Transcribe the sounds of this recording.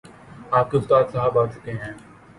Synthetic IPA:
aːp̚keʊst̪aːd̪sɐɦabaːt͡ʃʊ̥keɦɛ̃ː

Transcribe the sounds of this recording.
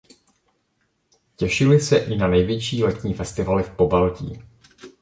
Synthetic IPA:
cɛʃɪlɪsɛʔɪnanɛjvjɛt͡ʃiːlɛt̪ɲiːfɛst̪ɪvalɪfpo̞balcḭː

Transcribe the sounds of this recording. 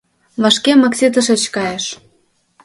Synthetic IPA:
βɑʃkemɑksʲet̪̬ə̆ʃĕt͡ɕkɑjeʃ

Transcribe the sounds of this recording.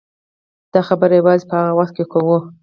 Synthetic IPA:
d̪̥ɑxabəɾajawɑzepəhaɣawaxt̪̚kekʰawu

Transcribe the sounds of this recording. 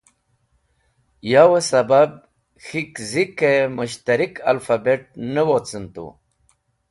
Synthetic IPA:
jawəsabab̚ | xikzikemuɕt̪aɾika̰lfabeʈ̚nəwot͡sənt̪ṵ

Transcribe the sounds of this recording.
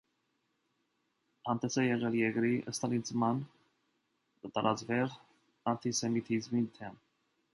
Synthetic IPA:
hɑnt̪ɛsɛjɛʁɛljɛkɾiʔəst̪ɑnit͡smɑn | kət̪ɑɾʔɑt͡svɛɾ | ɑnt̪ʰisɛmit̪ʰizmit̪ʰɛm

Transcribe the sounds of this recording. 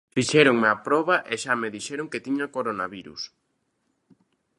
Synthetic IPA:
fiʃɛɾoŋmapɾɔβɐʔeʃameðiʃɛɾoŋket̪iɲakoɾonaβiɾṵs

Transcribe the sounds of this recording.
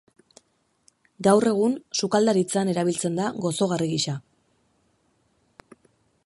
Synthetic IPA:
ɡawre̞ɣ̞unsukald̪aɾit͡sane̞ɾaβ̞ilt͡se̞nd̪aɣo̞so̞ɣariɣiʃa

